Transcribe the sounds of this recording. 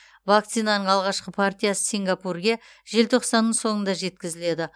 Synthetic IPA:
vak̚t̪sijnɑnəɴɑlˠʁɑʃqəpʰart̪ijasə̥siŋɡapurɡʲe̞ | ʒe̞lt̪ʰo̞qsɑnːəɴso̞ŋənd̪ɑʒe̞t̪kʲɪzɪle̞d̪ɪ

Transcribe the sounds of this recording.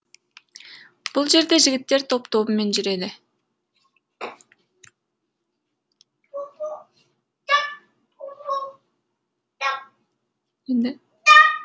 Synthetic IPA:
b̥ulˠd͡ʒe̞ɾd̪e̞ʒɪɡʲɪt̪ːe̞ɾt̪ʰo̞pt̪oːβume̞nd͡ʒyɾe̞d̪ɪ | end̪ɪ

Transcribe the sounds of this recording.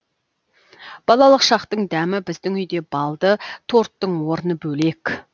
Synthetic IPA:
b̥ɑlˠɑlˠəqʃɑqt̪əɴd̪æmɪbɪzd̪ɪŋʏjd̪e̞bɑlˠd̪ət̪ʰo̞ɾt̪ːəɴwo̞ɾənəbɵlek

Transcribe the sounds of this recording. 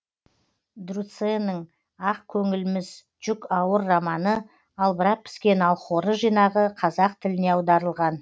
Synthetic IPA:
d̪rut̪senəɴ | ɑqkʲʰɵŋɪlɪmɪz | ʒ̥ʏkɑwəɾːamɑnə | ɑlˠbəɾɑq̚pʰɪ̥skʲe̞nɑlˠχoɾəʒijnɑʁəqʰɑzɑq̚t̪ʰɪlɪne̞ɑwd̪ɑɾəlˠʁɑn

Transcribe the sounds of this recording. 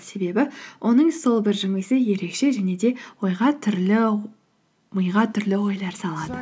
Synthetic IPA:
se̞be̞bɪwʔo̞nəɴso̞lˠbɪɾʒɪmɪksɪje̞ɾe̞kʃe̞ʒæne̞d̪e̞wo̞jʁɑt̪ʰʏɾlɪ | məjʁɑt̪ʰʏɾlɪwo̞jlˠɑɾsɑlˠɑd̪ə

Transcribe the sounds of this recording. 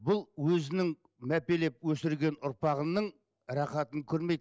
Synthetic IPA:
bʊlˠwɵzɪnɪŋ | mæpe̞le̞p̚wɵsɪɾɡʲe̞nʊɾpɑʁənəɴ | ɾɑχɑt̪əŋkʲʰɵɾme̞jd̪

